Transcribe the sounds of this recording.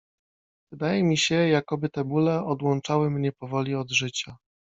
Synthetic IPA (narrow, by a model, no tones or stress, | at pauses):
vɘd̪ajɛmʲiɕɛjakɔbɘt̪ɛbulɛɔd̪wɔnt͡ʂawɘmɲɛpɔvɔlʲiɔd̪ʐɘt͡ɕa